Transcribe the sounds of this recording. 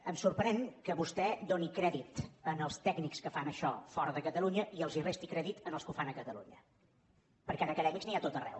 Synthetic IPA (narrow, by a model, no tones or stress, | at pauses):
əmsuɾpɾɛŋkəβust̪ɛd̪onikɾɛðit̪ənəlˠst̪ɛɡnikskəfanəʃɔ̰fɔɾəðəkət̪əlˠuɲəʔiəlˠzirest̪ikɾɛðit̪ənəlˠskufanəkət̪əlṵɲə̰ | pəɾkɛaðəkəðɛmikzniat̪ot̪ərɛ̰w